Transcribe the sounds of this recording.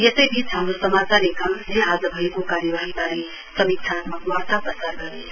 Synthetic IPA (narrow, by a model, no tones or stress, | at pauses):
jesejbʱit͡sʰɦamɾosəmat͡saɾekamnẽɦazəbʱʌekokaɾjəʋaɦibaɾe | sʌmikt͡ʃʰat̪maʋaɽt̪apɾəsaɾɡʌɾe